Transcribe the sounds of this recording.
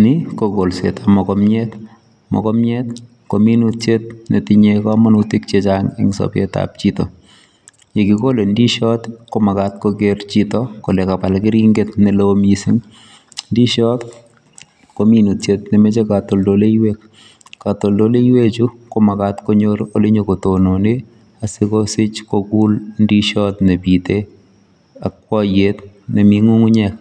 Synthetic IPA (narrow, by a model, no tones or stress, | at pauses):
nɪkoɡolsḛtʰamɔkɔmɲɛt | mɔ̰kɔmɲɛt̪ | kominutjet̪̚netiɲekɔamɔnutik̚t͡ʃet͡ʃaŋɛ̰ŋsɔ̰pḛta̰p̚t͡ʃitɔ | jekikolendiʃɔtkomakatkoɡeɾt͡ʃitɔkolɛkapalkɪɾiŋɡetnɛlomisiŋ | ndiʃɔt̪ | kominutjet̪nemet͡ʃekat̪oldoleiwek̚ | kat̪oldoleiwet͡ʃukomakat̪koɲoɾoleɲokotonone | asɪkosɪt͡ʃkoɡulndiʃɔt̪nebit̪e | ak̚wɔjet̪̚nemiŋuŋuɲɛk̚